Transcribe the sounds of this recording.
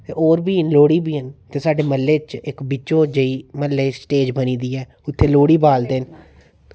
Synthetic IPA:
t̪eʔoːɾbiːnloːɽiːbiːənt̪eːsaːɖeːməlːeːt͡ʃɪkbɪt͡ʃõːd͡ʒəiːməlːeːsʈeːd͡ʒbəniːd̪iːɛː | ʊt̪ʰːeːloːɽiːbaːld̪en

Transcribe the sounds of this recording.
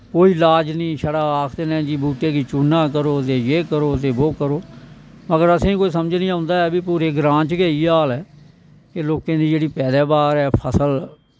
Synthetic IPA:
koːiːlaːd͡ʒnĩːʃəɽaːaːkʰt̪eːnɛ̃ːd͡ʒiːbuːʈeːkiːt͡ʃuːnːãːk̬əɾoːt̪eːjeːkəɾoːt̪̬eːboːkəɾoː | məɡəɾəsẽĩːkoːiːsəməd͡ʒnĩːãːʊ̃nd̪aːɛːbipuːɾeːɡɾãːt͡ʃɡeːiːaːlɛː | keloːkẽːd̪iːd͡ʒeːɽiːpɛːd̪ɛːbaːɾɛːpʰəsəl

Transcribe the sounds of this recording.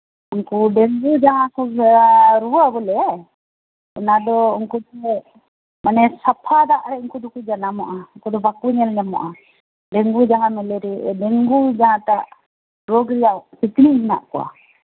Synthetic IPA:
uŋkuɖɛŋɡud͡ʒaɦãkɔ | ɾuwabɔlɛ | ɔnad̪ɔuŋkut̪ɛ | manɛsapʰad̪aʔɾɛuŋkud̪ɔkud͡ʒanamɔʔauŋkud̪ɔbakuɲɛlɲamɔ̰ʔa | ɖɛŋɡud͡ʒaŋamɛlɛɾɛɖɛŋɡud͡ʒaɦãt̪aʔ | ɾɔɡɾijasikniɦina̰ʔkɔwa̰

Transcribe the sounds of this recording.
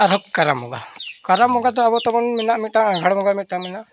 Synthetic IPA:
aɾɔkkːaɾamɔ̰ɡa̰kaɾamːɔɡad̪ɔabɔt̪ɔmɔnminaʔmit̪̚ʈaɡʱaɽmɔɡamit̪̚ʈaminaʔ

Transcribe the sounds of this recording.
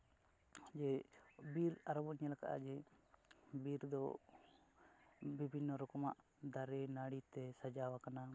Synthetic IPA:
d͡ʒɛbiɾaɾɔbɔɲalakaʔa̰d͡ʒɛ | biɾd̪ɔ̰ | bibʱinːɔɾɔkɔmaʔ | d̪ʱaɾɛnaɽit̪ɛsad͡ʒawakana

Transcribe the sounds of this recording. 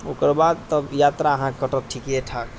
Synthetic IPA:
okəɾbad̪̚t̪əbjat̪ɾaəɦãkəʈət̪̚ʈʰikeʈʰak

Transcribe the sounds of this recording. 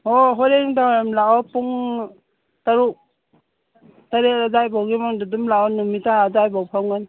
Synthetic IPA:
ɔɦɔɾeŋdajamlaɔpuŋ | taɾu | taɾeɾazajbawɡimaŋdudumlaɔnumitaazajbawpʰawŋɡan

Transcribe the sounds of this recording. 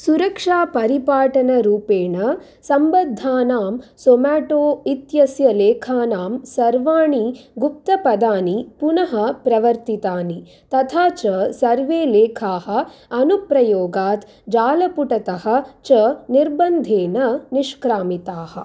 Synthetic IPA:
suɾɐkʂaːpɐɾipaːʈɐnɐɾuːpeːɳɐ | sɐmbɐd̪ʱːaːnaːmsomaːʈoːit̪jɐsjɐleːkʰaːnaːmsɐɾʋaːɳiɡup̚t̪ɐpɐd̪aːnipunɐɦɐ̆pɾɐʋɐɾt̪it̪aːni | t̪ɐt̪ʰaːt͡ʃɐsɐɾʋeːleːkʰaːɦɐ̆ɐnupɾɐjoːɡaːt̪ | d͡ʒaːlɐpuʈɐt̪ɐɦɐ̆t͡ʃɐniɾbɐnd̪ʱeːnɐniʂkɾaːmit̪aːhɐ̰̆

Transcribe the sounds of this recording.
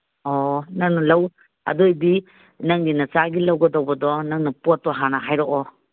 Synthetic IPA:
ɔnaŋnɐlaw | ɐ̰dojdi | nɐŋɡinɐt͡ʃaɡilawɡɐdɔwbɐdɔnɐŋnɐpɔtːɔɦanaɦajɾɔʔɔ

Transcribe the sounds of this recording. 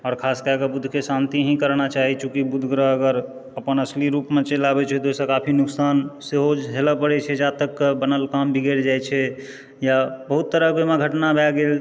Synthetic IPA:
ɔːɾkʰaskəɡəbud̪ʱkesant̪iɦĩkəɾnat͡ʃaɦit͡ʃʰukibud̪ʱɡɾəəɡəɾ | əpənəsliɾupmẽt͡ʃelabɛt͡ʃʰɛt̪osə̃kapʰinuksanseɦod͡ʒɦeləpəɽɛt͡ʃʰɛd͡ʒat̪əkːbənəlkambʱiɡeɾd͡ʒajt͡ʃʰɛ | jabəɦut̪ːəɾəɦbemeɡʱəʈnabʱɛɡel

